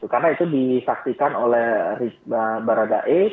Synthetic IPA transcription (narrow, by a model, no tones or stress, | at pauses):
t̪ukarnait̪udisak̚sikanolɛhriəbaɾada̰ʔe